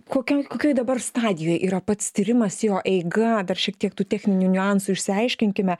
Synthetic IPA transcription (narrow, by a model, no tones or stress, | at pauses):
koːkʲoːjkoːkʲoːjd̪ɐbɐrst̪ɑːd̪ʲɪjoːjʔiːɾɐpɐt̪st̪ʲiːɾʲɪmɐsjoːʔɛɪɡɐd̪ɐrʃʲiɛk̚t̪ʲiɛkt̪uːt̪ʲæxʲnʲɪnʲunʲʊɑnsuɪʃʲsʲɪɐɪʃʲkʲɪŋʲkʲɪmʲɛ